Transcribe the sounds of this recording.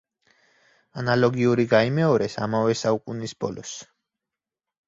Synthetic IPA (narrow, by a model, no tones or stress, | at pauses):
analɔɡiuɾiɡaimɛɔɾɛsa̰mavɛsaukʼunisbɔ̰lɔs